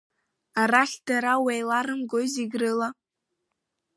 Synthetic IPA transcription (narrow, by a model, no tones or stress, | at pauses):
aɾaχʲd̥aɾawejlaɾɨmɡoziɡrɨla